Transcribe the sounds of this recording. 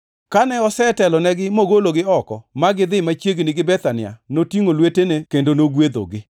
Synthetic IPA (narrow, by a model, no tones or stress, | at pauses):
kanɛɔsɛtɛlɔnɛɡɪmoɡoloɡɪɔkɔmaɡɪd̪ɪmat͡ʃjeɡnɪɡɪbɛt̪anɪa̰notiŋolwetenekendonoɡwed̪o̰ɡɪ